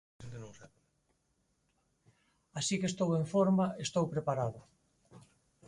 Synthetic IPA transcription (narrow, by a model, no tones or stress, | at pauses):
eŋk̪enõŋsa | asikest̪oweɱfoɾmaest̪owpɾepaɾaðʊ